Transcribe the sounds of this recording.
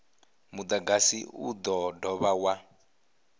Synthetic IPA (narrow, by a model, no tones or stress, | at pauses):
mud̪aɡasḭṵd̪ɔdɔβawa